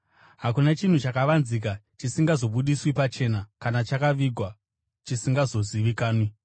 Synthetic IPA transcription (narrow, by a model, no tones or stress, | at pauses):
ɦakunat͡ʃin̤ut͡ʃakaʋanzik̬at͡ʃisiŋɡazo̞ɓuɗiswipat͡ʃe̞ːnakanat͡ʃakaʋiɡʱwa | t͡ʃisiŋɡazo̞ziʋikaːnwi